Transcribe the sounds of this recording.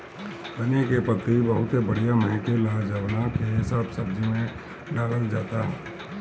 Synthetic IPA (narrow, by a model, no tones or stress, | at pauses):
bənekepət̪ibəɦʊt̪ebɐɽ̤ijaməɛkelaːd͡ʒəʋnakeɦɪsaːbsɐbd͡ʒimẽ | ɖaːləld͡ʒaːt̪aɦɛ̰ː